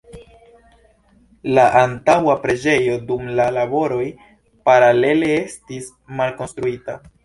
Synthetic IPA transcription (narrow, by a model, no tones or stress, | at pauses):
laʔantawapɾe̞d͡ʒe̞jo̞dumlalabo̞ɾo̞j | paɾale̞le̞estis | malko̞nstɾuita